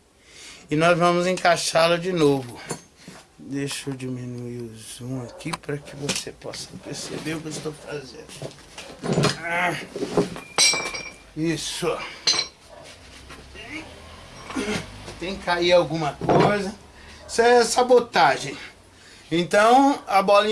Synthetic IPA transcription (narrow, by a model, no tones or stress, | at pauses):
ɪnɔzvɐ̃mʊzẽkaʃalʊd͡ʒɪnovʊ | d̪ejʃod͡ʒimĩnuiʊzũakipaɾɐkɪvosepɔsɐ̥peɾsḛbeɾʊkeist̪owfazẽnd̪ʊ | a | isʊ | e | t̪ẽj̃kaiawɡũmɐkojzɐ | isɛɐsabot̪aʒẽj̃ | ẽnt̪ɐ̃w̃ɐbɔlĩ